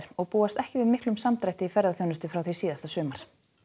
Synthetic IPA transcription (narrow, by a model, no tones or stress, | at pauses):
ɾ̥ɔɣpuːast̪ɛhcɪvɪðmɪhklʏmsamt̪ɾajht̪ɪifɛɾðaθjownʏst̪ʏfɾawθisiːðast̪asʏːmaɾ̥